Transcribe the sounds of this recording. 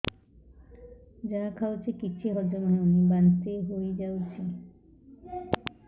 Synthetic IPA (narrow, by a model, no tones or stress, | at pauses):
d͡ʒanakʰawt͡ʃʰikit͡ʃʰiɦɔd͡ʒɔnɔnonibant̪eɦojd͡ʒawt͡ʃʰi